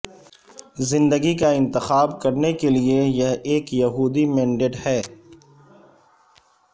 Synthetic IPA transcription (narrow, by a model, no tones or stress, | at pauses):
zɪ̃nd̪əɡikaɪ̃nt̪ɪxaːbkɐɾnekeliejɐɦeːkjɐɦuːd̪imɛ̃ːɳɖeːʈhɛː